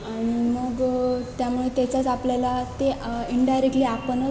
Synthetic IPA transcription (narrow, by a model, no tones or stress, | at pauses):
aɽ̃iməɡt̪jamuɭet̪jɛt͡ɕat͡sapljalat̪eiɳɖajɾek̚ʈliːapənə